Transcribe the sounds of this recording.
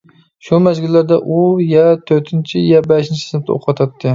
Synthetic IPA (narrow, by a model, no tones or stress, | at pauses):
ʃumæzɡʲɪlːæɾd̪aʔujat̪ʰɵɾt̪ʰɪnt͡ʃʰɪjɛbæʃɪnt͡ʃʰɪ̥sɪnɪp̚t̪ʰo̰qʰɑt̪ʰɑt̪ʰːɪ